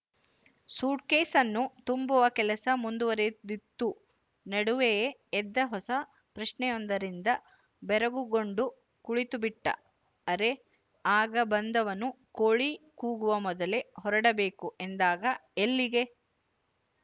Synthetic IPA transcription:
suːʈ̚keːsɐnːut̪umbuʋɐkɛlɐsɐmund̪uʋɐɾed̪it̪ːu | nɐɽuʋejeːd̪ːɐɦɔsɐ | pɾɐʃnɛjɔnd̪ɐɾind̪ɐ | bɛɾɐɡuɡoɳɖu | kuɭit̪ubiʈːɐ̰ | ɐɾe̞ | aːɡɐbɐnd̪ɐʋɐnu | koɭikuːɡuʋɐmɔd̪ɐle̞ɦɔɾɐɽɐbe̞ːkuʔend̪aːɡɐelːiɡe̞

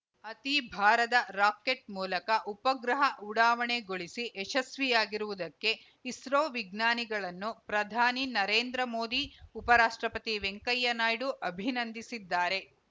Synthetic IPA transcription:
ɐt̪ibʱaːɾɐd̪ɐɾaːkeʈ̚muːlɐkɐʔupɐɡɾɐɦɐʔuɽaːʋɐɳe̞ɡoɭisiʔɛʃɐsʋijaːɡiɾuʋud̪ɐkːe̞ | isɾoːʋiɡnaːniɡɐɭɐnːupɾɐd̪ʱaːninɐɾeːnd̪ɾɐmo̞ːd̪iupɐɾaːʂʈɾɐpɐt̪iʋeŋkɐjːɐnaːjɽuʔɐbʱinɐnd̪isid̪ːaːɾe̞

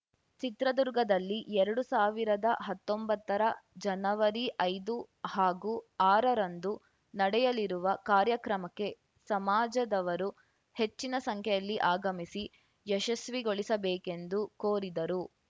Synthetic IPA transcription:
t͡ʃit̪ɾɐd̪uɾɡɐd̪ɐlːiʔɛɾɐɽusaːʋiɾɐd̪ɐɦɐt̪ːombɐt̪ːɐɾɐd͡ʒɐnɐʋɐɾiʔɐjd̪u | haːɡuaːɾɐɾɐnd̪u | nɐɽɛjɐliɾuʋɐkaːɾjɐkɾɐmɐkːe̞ | sɐmaːd͡ʒɐd̪ɐʋɐɾu | he̞t͡ʃːinɐsɐŋkʰjɛjɐlːiʔaːɡɐmisi | jɛʃɐsʋiɡo̞ɭisɐbɛːke̞nd̪ukoːɾid̪ɐɾu

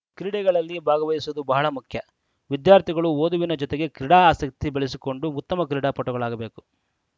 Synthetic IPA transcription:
kɾiɽɛɡɐɭɐlːibʱaːɡɐʋɐjisuɐd̪ubɐɦɐɭɐmukʰjɐ | ʋid̪jaːɾt̪ʰiɡɐɭuoːd̪uʋinɐd͡ʒɔt̪eɡe̞kɾiɽaːaːsɐk̚t̪ibeɭisiko̞ɳɖuut̪ːɐmɐkɾiɽaːpɔʈːɐɡɐɭaːɡɐbe̞ːku̥

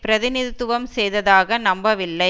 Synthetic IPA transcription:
pɪɾɐðɪnɪðɪt̪ːʊʋɐmsɛjðɐðaːɣɐnɐmbɐʋɪlːɐɪ

